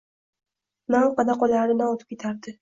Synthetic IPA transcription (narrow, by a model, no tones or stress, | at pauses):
nawqʰɑd̪aqɒlaɾɪnaot̪ʰɪ̥pkʲʰet̪ʰaɾd̪ɪ